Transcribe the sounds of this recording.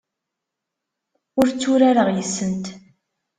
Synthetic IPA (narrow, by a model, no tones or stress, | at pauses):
ʊɾt͡sːuɾaɾəʁjəsːənt̪